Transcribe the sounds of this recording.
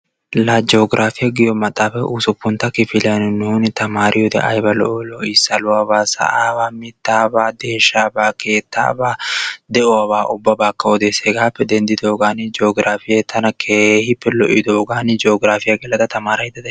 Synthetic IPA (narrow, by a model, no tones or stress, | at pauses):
laːd͡ʒoːɡɪɾʔaːfɪjɐɡɪjɔmɐt̪ʼːaːfɛʔusʊpːʊnt̪ɐkɪfɪlɐnɪnuːnɪt̪ɐmaːɾʔɪjɔd̪ɛ̰ʔɐjbɐlɔ̰ʔɔlɔʔɪsɐlʊwaːbaːsɐ̰ʔaːbaːmɪt̪ːaːbaːd̪eːʃːaːbaːke̞ːt̪ːa̰ːbaːd̪ɛʔɔɐβaːʔʊbːɐbaːkːɐɔd̪eːseːɡaːpːɛd̪ɛnd̪ɪd̪o̞ːɡaːnɪd͡ʒoːɡɾʔaːfɪjɛt̪ʰːɐnɐkʰehɪpːɛlɔ̰ʔɪd̪oːɡaːnɪd͡ʒoːɡɾaːfɪjɐɡɛlɐd̪ɐt̪ɐmaːɾɐjd̪ɐd̪ɛ